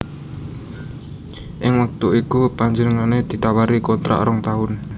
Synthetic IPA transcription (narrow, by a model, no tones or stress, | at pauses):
ʔɪŋwək̚t̪uikupaɲd͡ʒənəŋaned̪̥i̤t̪awaɾikot̪ɾa̰ʔɾɔŋt̪aʊn